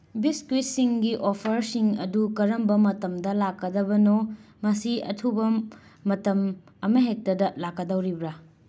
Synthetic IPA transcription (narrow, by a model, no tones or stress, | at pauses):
biskwisiŋɡiʔopʰɐɾsiŋɐ̰dukɐɾɐmbɐmɐtɐmdɐlakːɐdɐbɐnomɐsiɐ̰tʰubɐmɐtɐm | ɐmɐɦek̚tɐdɐlakːɐdɐwɾibɾa